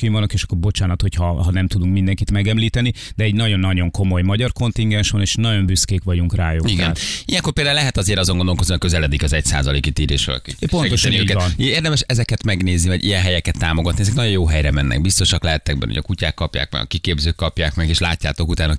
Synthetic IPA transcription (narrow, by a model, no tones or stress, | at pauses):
kiʋɒnokeːʃɒ̥kːorbo̞t͡ʃaːnɒt̪ho̞chɒɦɒnɛmt̪ud̪uŋkmind̪ɛŋkit̪mɛɡɛmliːt̪ɛni | d̪ɛːɟnɒɟo̞nːɒɟo̞ŋko̞mo̞jmɒɟɒrko̞nt̪iŋɡɛnʃʋɒneːʃnɒɟo̞mbyskeːkʋɒɟuŋkraːjoiɡ̪ijɛŋkorpeld̪aːulɛɦɛt̪ɒzeːɾɒzoŋɡond̪olkoniɒkøzɛlɛd̪ikɒzɛcsa̰ːzɒlḛːkit̪iːɾeːʃo̰l̰kpot̪o̞ʃɔniøːɟkɛt̪neːrd̪ɛmɛʃɛzɛkɛt̪mɛɡneːznivɒɟḭjɛnɦɛjɛkɛt̪ːaːmoɡɒt̪niɛzɛknɒɟjo̞joːɦɛjɾɛmɛnːʔɛ̰ɡ̚bist̪o̞ʃɒklɛɦɛt̪ːɛɡ̚bɛ̰o̰ɟɒ̰kucaːkːɒpja̰ːk̚mɛ̰ɡɒ̰kikeːbzøːkːɒpjaːkmɛɡeːʃlaːcːa̰ːt̪o̞kut̪aːno